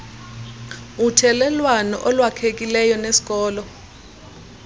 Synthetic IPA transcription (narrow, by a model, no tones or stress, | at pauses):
utʰɛlɛlwanɔʔɔlwakʰek̬ʼilɛjɔnesi̥k̬ʼɔːlɔ